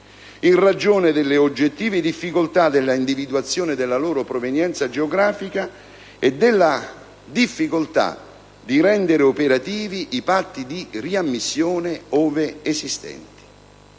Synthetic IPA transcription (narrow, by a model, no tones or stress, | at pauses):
inrad͡ʒoːnɪd̪ɪlːɪod͡ʒːet̪ːiːvɪd̪ifːikolt̪ad̪elːaind̪ivid̪uat̪sːjoːnɪd̪ɪlːaloːɾʊpɾovenjɛnt̪sad͡ʒeoɡɾaːfika | ɛd̪ːɪlːa | d̪ifːikolt̪a̰ | d̪iɾɛnd̪eɾɪopeɾat̪iːviʔipat̪ːid̪iriamːisːjoːnɪoːveesist̪ɛ̰nt̪i̥